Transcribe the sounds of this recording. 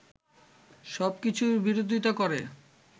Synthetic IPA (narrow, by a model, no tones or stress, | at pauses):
ʃɔbkit͡ɕʰubiɾod̪ʱit̪okoɾe